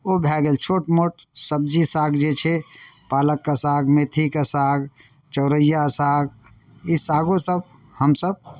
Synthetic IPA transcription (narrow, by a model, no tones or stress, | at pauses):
obʱɛɡelt͡ʃʰoʈmoʈ | səb̚d͡ʒisaɡd͡ʒet͡ʃʰɛpaləkːəsaːɡmet̪ʰikəsaɡ | t͡ʃəʊɾəjasaɡ | isaɡosəb | həmsəb̚